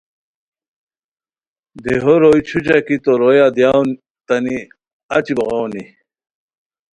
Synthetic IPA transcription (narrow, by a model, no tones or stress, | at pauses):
d̪eɦoɾojt͡ɕʰut͡ɕakit̪oɾojad̪jawn | t̪ɐni | at͡ɕiboʁawni